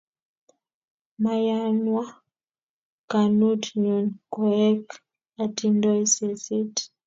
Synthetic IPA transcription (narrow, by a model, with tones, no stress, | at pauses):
ma˨ja˦nwa˦ | ka˨nu˦tɲu˨nkɔ˨ɛ˦k | a˨ti˦ndɔ˦jsɛ˨si˦t